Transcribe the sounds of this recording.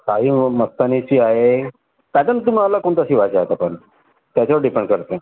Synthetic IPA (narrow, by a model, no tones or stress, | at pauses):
kaɦiːməst̪anit͡ɕiːaɦe | t̪jat͡ɕant̪um̤ialːakoɳt̪əɕiːʋat͡saɦet̪apəɳ | t̪jat͡ɕaʋəɾɖipẽɳɖkəɾt̪e